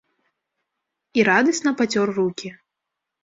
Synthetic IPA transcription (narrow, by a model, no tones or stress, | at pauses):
iɾad̪ɐsʲnɐpat͡sʲɔrrukʲi